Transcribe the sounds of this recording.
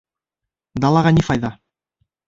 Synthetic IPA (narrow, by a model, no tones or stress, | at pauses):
d̪ɑlˠɑʁɑnʲifɑjðɑ